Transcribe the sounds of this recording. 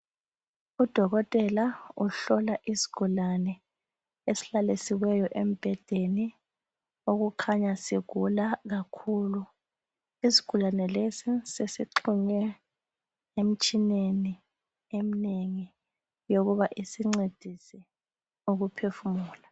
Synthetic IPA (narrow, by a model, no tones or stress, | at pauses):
ud̥ʱɔɣɔtʼɛlauɬɔlaʔisi̥ɡ̥ʱulanɛ | esi̥lalisiwɛjɔʔem̩b̥ʱɛd̥ʱeni | oɣukʰaɲasiɣ̥ʱulaɣakʰulu | isi̥ɡ̥ʱulanɛlesisesiǃʰuɲɛ | em̩t͡ʃʼineni | emineŋi | joɣuβaʔisiŋ͡ǀed̥ʱisɛ | uɣupʰefumuːla